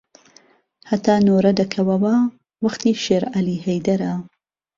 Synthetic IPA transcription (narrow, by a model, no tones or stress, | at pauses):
hɐt̪ʰaːnoːɾɐd̪ɐkʰɐwɐwɐ | wɐxt̪iːʃeːɾɐliːhɛjd̪ɐɾɐ